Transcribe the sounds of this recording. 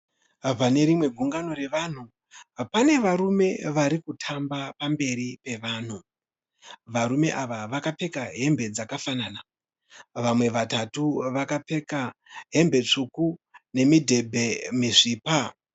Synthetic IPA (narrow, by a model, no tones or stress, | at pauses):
pane̞ɾimwe̞ɡʱuŋɡano̞ɾe̞ʋan̤u | pane̞ʋaɾume̞ʋaɾikutʰambapambe̞ɾipe̞ʋaːn̤u | ʋaɾume̞ʔaʋaʋakape̞kaɦe̞mbe̞d͡zakafanaːna | ʋamwe̞ʋatatuʋakape̞kaɦe̞mbe̞t͡ʂukune̞midʱe̞bʱe̞miʐiːpa